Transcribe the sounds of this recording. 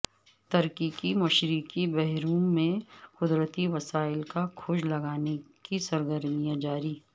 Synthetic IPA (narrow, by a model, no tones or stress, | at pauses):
t̪ɐɾkikimɐʃɾikibɛɦɾuːmẽkʊd̪ɾət̪iʋɐsaːɪlkakʰʊd͡ʒlɐɡaːnekisɐɾɡəɾmijãd͡ʒaːɾiː